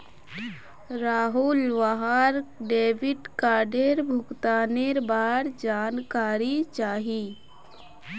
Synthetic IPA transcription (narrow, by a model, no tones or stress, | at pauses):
ɾaːɦulʋaɦaɾɖeːʋɪɖkaːɾɖeɾbʱʊkt̪aːneɾbaːɾd͡ʒaːnkaːɾit͡ʃaːɦiː